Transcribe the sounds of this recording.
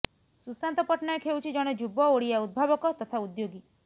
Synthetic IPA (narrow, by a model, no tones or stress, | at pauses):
susant̪ɔpɔʈnɔekʰewt͡ʃʰid͡ʒɔɽ̃ɔd͡ʒubɔoɽiaud̪̚bʱabɔkɔt̪ɔt̪ʰaud̪joɡi